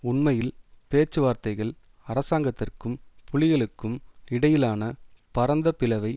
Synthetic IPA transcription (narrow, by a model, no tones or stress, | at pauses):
ʊɳmɐjɪlpeːt͡ʃːɯʋaːɾt̪ɐɪɣɐɭ | ɐɾɐsaːŋɡɐt̪ːɪrkɯmpʰʊɭɪɣɐɭɯkːɯmɪɽɐjɪlaːnɐpɐɾɐnd̪ɐpɪlɐʋɐɪ